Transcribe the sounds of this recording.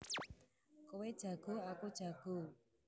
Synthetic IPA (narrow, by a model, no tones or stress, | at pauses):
kowed̥ʒ̥a̤ɡ̥o̤akud̥ʒ̥a̤ɡ̥o̤